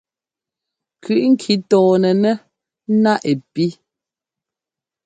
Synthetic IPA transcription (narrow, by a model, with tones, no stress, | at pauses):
kʰʉ˨ʔŋ̩˦kʰi˦tɔː˨nɛ˨nɛ˦ | na˦ʔe˨pi˦